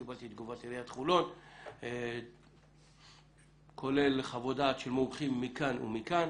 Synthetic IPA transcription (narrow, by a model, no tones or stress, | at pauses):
ibalt̪it̪̚ɡuvat̪iɾeat̪χulo̞t̪ | kʰo̞le̞lχavod̪atʃelmomχimːikanṵmikan